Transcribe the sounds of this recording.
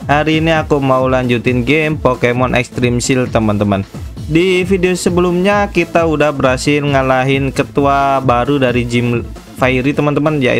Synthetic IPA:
haɾiːniakumaulaɲd͡ʒut̪ɪnɡempokemɔnʔɛ̰kst̪ɾimsɪlt̪əmant̪əmandifideosəbəlumɲakit̪audahbəɾasɪlŋəlaɦɪnkət̪uabaɾudaɾid͡ʒim | faiɾit̪əmant̪əmanja̰

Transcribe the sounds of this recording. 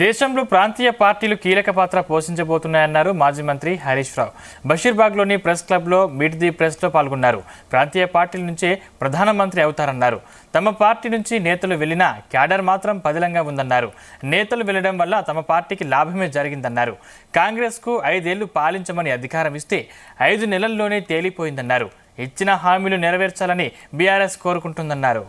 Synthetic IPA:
d̪ɛːʃɐmlo̞ːpɾaːnt̪iːjɐpaːɾʈiːlukiːlɐkɐpaːt̪ɾɐpo̞ːʃiɲt͡ʃɐboːt̪unːaːjɐnːaːɾumaːd͡ʒiːmɐnt̪ɾiɦɐɾiːʂɾa̰ːw | bʱɐʃiːɾbaːɡlo̞ːnipɾesklɐblo̞ːmiːʈd̪ipɾeslo̞ːpaːlɡunːaːɾṵpɾaːnt̪iːjɐpaːɾʈiːlɐnuɲt͡ʃeːpɾɐd̪ʱaːnɐmɐnt̪ɾiɐwut̪aːɾɐnːaːɾṵ | t̪ɐmɐpaːɾʈiːnuɲt͡ʃinɛːt̪ɐluʋe̞linɐkjaːɖɐɾmaːt̪ɾɐmpɐd̪ilɐŋɡaːund̪ɐnːaːɾu | nɛːt̪ɐluʋɛɭːɐɽɐmʋɐlːɐt̪ɐmɐpaːɾʈiːkilaːbʱɐme̞ːd͡ʒɐɾiɡind̪ɐnːaːɾṵ | kaːŋɡɾe̞ːskuɐjd̪e̞ːɭːupaːliɲt͡ʃɐmɐniɐd̪ʱikaːɾɐmist̪e̞ːɐjd̪unɛlɐlːo̞ːne̞ːt̪e̞ːlipoːjind̪ɐnːaːɾṵ | it͡ʃːinɐɦaːmiːlunɛɾɐʋeːɾt͡ʃaːlɐnibijaːɾe̞ːsko̞ːɾukuɳʈund̪ɐnːaːɾṵ

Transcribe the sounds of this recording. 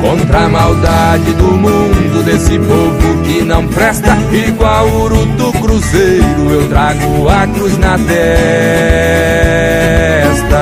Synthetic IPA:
kõnt̪ɾɐmawd̪ad͡ʒɪd̪ʊmũd̪ʊd̪esɪpovʊkɪnɐ̃w̃pɾɛst̪ɐiɡwawʊɾut̪ʊkɾuzejɾʊewt̪ɾaɡʊɐkɾuznɐt̪ɛ | st̪ɐ

